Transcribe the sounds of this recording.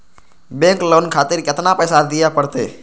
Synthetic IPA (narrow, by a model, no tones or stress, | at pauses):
bẽːŋkloːnkʰaːt̪ɪɾkɪt̪napɛːsad̪ɪjapəɽt̪ḛː